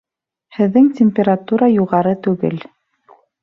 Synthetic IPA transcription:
hɘ̆ðːɘŋtʲɪmʲpʲeɾat̪uɾɑjuʁɑɾɤt̪ʉɡɘ̰l

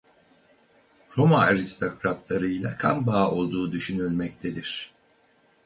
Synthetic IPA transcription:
ɾo̞maaɾist̪ʰo̞kɾat̪lˠaɾɯjlˠakʰambaːo̞lˠd̪uːd̪yʃynylʲmɛc̚t̪ʰe̞d̪iɾ̥

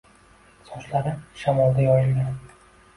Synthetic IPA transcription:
sɒʃlaɾɪʃamɒlˠd̪ajɒjɪlɡʲan

